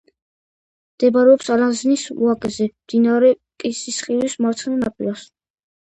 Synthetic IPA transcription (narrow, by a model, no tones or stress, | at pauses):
md̪̥ɛbɾɛɔpsaɾaznisṵakʼɛzɛmd̪̥inaɾɛ | kʼisisχʼilismaɾt̪sʰχɛnanapʼiɾas